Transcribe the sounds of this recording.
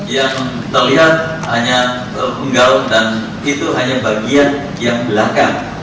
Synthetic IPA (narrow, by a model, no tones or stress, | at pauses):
jaŋ | t̪ərliɦat̪̚ | haɲa | əpəŋɡaʊŋdan | it̪uɦaɲabaɡian | jaŋbəlakaŋ